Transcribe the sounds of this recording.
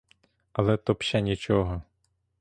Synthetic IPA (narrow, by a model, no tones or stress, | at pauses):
ɐlˠɛt̪ɔpʃɐnʲit͡ʃɔɦɔ